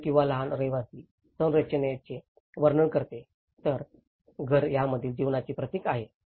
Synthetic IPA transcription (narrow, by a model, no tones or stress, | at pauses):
kĩw̃ʋaləɦanɾeʋasiː | sənɾət͡ɕənet͡ɕe | ʋəɾɳəkəɾt̪e | t̪əɾ | ɡʱəɾjaməd̪ʱiːld͡ʑiʋnat͡ɕiːpɾət̪ikaɦe